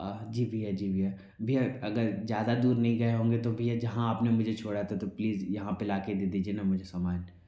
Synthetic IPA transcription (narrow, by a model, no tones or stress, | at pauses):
ad͡ʒiːbʱiad͡ʒiːbʱija | bʱiaɐɡəɾzjaːd̪ad̪uːɾnɐɦĩɡɐeɦõːŋɡet̪obʱijad͡ʒɐɦãaːpnemʊd͡ʒʱet͡ʃʰoːɽat̪ʰet̪opliːzjɐɦãpelaːked̪eːd̪iːd͡ʒienamʊd͡ʒʱesaːmaːn